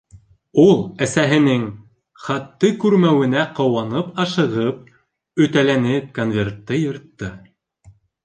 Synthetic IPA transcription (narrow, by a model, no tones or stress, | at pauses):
ulˠæsæɦɘ̆nɘŋ | χɑt̪ːɤkʉɾmæwɘ̆næqɤ̆wɑnɤpɑʃɤ̆ʁɤp̚ | ɵ̆t̪ælænɘp̚konvʲe̞rt̪ːɤjɤ̆ɾt̪ːɤ